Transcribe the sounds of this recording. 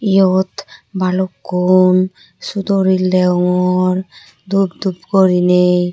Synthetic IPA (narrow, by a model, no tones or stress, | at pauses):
ijot̪balokːun | sud̪oɾilːɛɔŋɔɾ | d̪ubd̪ubkoɾine